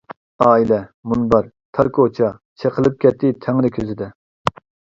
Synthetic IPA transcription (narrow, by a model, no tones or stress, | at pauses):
ɑːilɛmunbɑɾ | t̪ʰɑɾkʰot͡ʃʰɑ | t͡ʃʰeqʰəlˠɪp̚kʲɛt̪ʰːɪt̪ʰɛŋlɪkʲʰøzɪd̪ɛ